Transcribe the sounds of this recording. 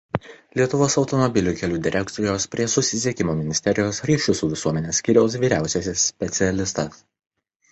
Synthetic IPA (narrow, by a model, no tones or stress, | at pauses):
lʲiɛt̪ʊʋoːsɒʊt̪ɔmɔbʲɪlʲuːkʲɛlʲuːd̪ʲɪɾʲʔɛkt̪ɪjoːspʲɾʲiɛsʊsʲɪsʲiɛkʲɪmoːmʲɪnʲɪsʲt̪ʲɛɾʲɪjoːsɾʲiːʃʲʊsuːʋʲɪsuɔmʲɛnʲeːsʲkʲiɾʲoːsʋʲiːɾʲæˑʊsʲɛsʲɪsːʲpʲɛt̪sʲɪɛlʲɪst̪ɐs